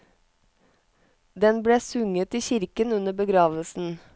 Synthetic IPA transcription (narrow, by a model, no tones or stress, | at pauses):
d̪ɛnbleːsʉŋət̪iːçɪɾkənʉnəbəɡɾɑːʋəlsn̩